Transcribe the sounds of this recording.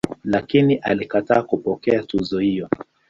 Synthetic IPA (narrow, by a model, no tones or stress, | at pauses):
lakiniʔa̰likataːkupɔkɛatuzɔhijɔ